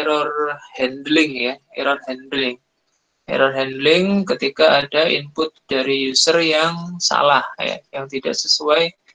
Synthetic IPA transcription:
eɾɔrhɛndlɪŋjaɛ̰ɾɔrɦɛndlɪŋ | ɛ̰ɾɔrɦɛndlɪŋkət̪ikaːdaḭmpʊt̪̚d̥aɾijusərjaŋsa̰lahja̰jaŋt̪ida̰ʔsəsuaj

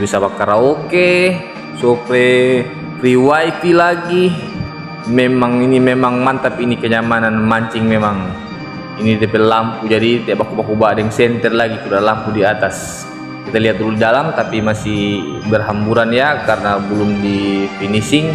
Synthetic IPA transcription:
bisapakːaɾaoke | sɔpɛ | ɾiwaip̪ilaɡi | mɛmaŋinimɛmaŋmant̪apiːnikəɲamananmaɲt͡ʃiŋmemaŋ | inidɛpɛlampud͡ʒadit̪iaʔbakubakubadɛŋsɛnt̪ɛrlaɡisudalampudiat̪as | kit̪aliɦat̪̚luldalamt̪apimasihbɛrɦambuɾanjakarnabulumdifinisiŋ

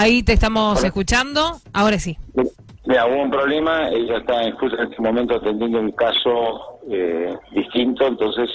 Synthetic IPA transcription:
ait̪eːht̪amo̞seskut͡ʃand̪oaoɾasim | miɾauβoumpɾoβlemaeʒaeht̪aiŋkusaenesemomẽnt̪oat̪end̪jend̪ouŋkasoed̪iht̪int̪oent̪o̞nses

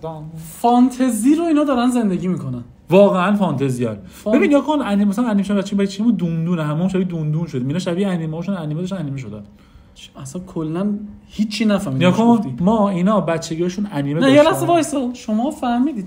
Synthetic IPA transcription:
fɒnt̪ʰeziɾoiːnɒːd̪ɒːɾænze̞nd̪eɡiːmiːkʰonæn | vɒːɣeænfɒnt̪ʰeziæn | beinjɒkʰonæniːmemæsæænæniːmeʃobæt̪ːt͡ɕʰːt͡ʃeibæet͡ʃʰːeimud̪und̪uːneɦæmːmʃæbid̪und̪uːnʃod̪iːminɔːʃæbiæniːmeɒːʃunæniːmeɔʃt̪ænæniːmeʃ̬od̪æ̰n | æsænkʰolːænhit͡ʃʰːinæfæhmikʰonmɒːiːnɒːbæt̪t͡ʃʰːeɡɒːʃuːnæniːmenæjelæst̪evɒjsoʃomɒːfæhmiːd̪iːd̪

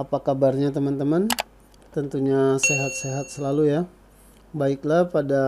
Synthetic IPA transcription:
apakabarɲat̪əmant̪əman | t̪ənt̪uɲaseɦat̪̚seɦat̪̚səlaluja | baɪklahpada

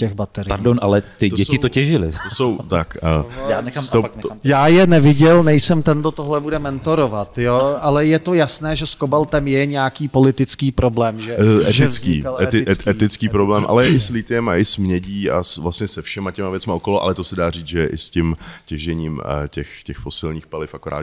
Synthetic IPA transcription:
cɛxbat̪ɛɾaɾdonʔalɛt̪ɪt̪oɟɛsɪt̪ocɛʒɪlɪ̰t̪osowt̪akːjanɛt̪ojaːjɛnɛvɪɟɛlnɛjsɛmt̪ɛnd̪ot̪oɦlɛbudɛmɛnt̪o̞ɾovat̪joʔalɛjɛt̪o̞jasnɛːʒɛskobalt̪ɛmjɛɲɛakiːpo̞lɪt̪ɪt͡skiːpɾo̞blɛːmʒɛʔɛt̪ɪt͡skḭːɛt̪ɪʔɛt̪ɪt͡skiːpɾoblɛːmʔa̰lɛjɛʔɪslɪt̪ɪɛma̰ʔɪsmɲɛɟiːa̰svlastɲɛsɛfʃɛmacɛmavjɛt͡smaʔokoloʔa̰lɛt̪osɛdaːriːt͡sʒɛjɛʔɪscɪmcɛʒɛɲiːmcɛxcɛxfosɪlɲiːxpalɪfakoɾa̰ːd̪

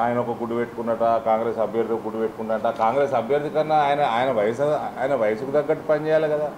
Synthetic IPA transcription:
aːjɐnɐɔkɐɡuɽupe̞ʈːu̥kunːɐʈaːkaːŋɡɾeːsɐbʱjɐɾd̪iɡuɽupeʈːukuɳʈɐɳʈaːkaːŋɡɾeːsɐbʱjɐɾd̪ikɐnːɐːjɐnɐaːjɐnɐʋɐjɐsɐaːjɐnɐʋɐjɐsukud̪ɐɡːɐʈːupɐɲd͡ʒɛːjaːlikɐd̪aː

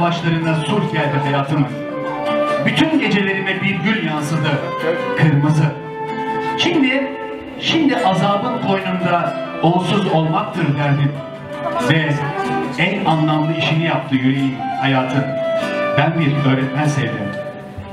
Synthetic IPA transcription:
vat͡ʃlˠaɾɯnd̪asuɾcʰɛld̪ɛɦajaːt̪ʰɯmɯɾ | byt̪ʰynɟe̞d͡ʒe̞lʲe̞ɾinɛbiɾɟylʲjansɯd̪ɯ | kʰɯɾmɯzɯ | ʃimd̪i | ʃind̪iʔazaːbɯnkʰo̞jnund̪aousuzo̞lˠmak̚t̪ʰɯɾd̪ɛɾnin | vɛ | ænanlˠamlˠɯiʃinijap̚t̪ʰɯːjyɾejinhajaːt̪ʰɯnbænbiɾø̞ːɾɛt̪mɛnsejd̪im

